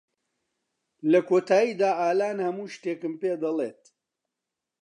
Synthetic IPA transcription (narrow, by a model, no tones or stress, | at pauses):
lɐkʰoːt̪ʰaːjiːd̪aːʔaːlaːnhɐmuːʃt̪eːkɨmpeːd̪ɐlˠḛːt̪̚